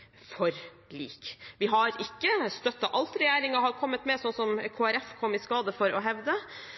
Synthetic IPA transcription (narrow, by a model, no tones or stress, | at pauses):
fɔɾ | lḭːkʋɪɦɑɾɪkːəst̪œt̪ːɑʔɑlt̪ɾɛjeːɾɪŋɑɦɑɾkʰɔmːət̪mɛsɔnsɔmkʰoːæɾɛfkʰɔmːɪskɑːd̪əfɔɾʔɔɦɛʋd̪ə